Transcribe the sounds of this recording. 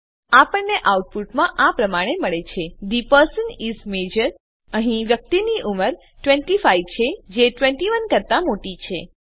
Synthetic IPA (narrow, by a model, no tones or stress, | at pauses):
apəɳneʔauʈ̚puʈmãʔapɾəmaɽ̃eməɭet͡ʃʰed̪ipəɾsənizmed͡ʒəɾ | əɦĩʋjək̚t̪iniʔuməɾ | ʈʋẽɳʈifaiʋt͡ʃʰed͡ʒeʈʋẽɳʈiʋənkəɾt̪amoʈit͡ʃʰe